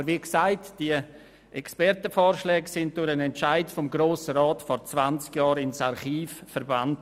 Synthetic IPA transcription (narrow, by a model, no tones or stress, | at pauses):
əɾʋiːksaɪtd̥iə | ʔɛkspɛɾtəfɔːɾʃlɛːɡsɪnt̚d̥ʊɾənɛntt͡ʃaɪtfɔmɡɾoːsəɾaːtfɔɾt͡svant͡skjɑːɾɪnsaɾχiːfːəɾband